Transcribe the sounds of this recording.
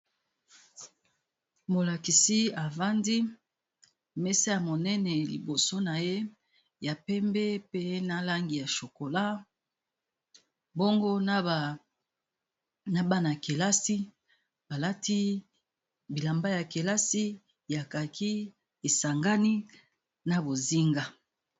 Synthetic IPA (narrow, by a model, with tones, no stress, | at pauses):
mo˨la˨ki˨si˦a˨va˦ndi˦ | mɛ˦sa˦ja˨mo˨nɛ˦nɛ˨lḭ˨bo˨so˦na˨je˦ | ja˨pɛ˦mbɛ˦pe˦na˦la˦ŋɡi˨ja˨ʃo˨ko˨la˦ | bo˦ŋɡo˦na˦˨ | na˦ba˦na˨ke˨la˦si˦ | ba˨la˦ti˦ | bi˨la˨mba˦ja˨ke˨la˦si˦ | ja˨ka˨kʰi˦ | e˨sa˨ŋɡa˦ni˦ | na˨bo˨zi˦ŋɡa˦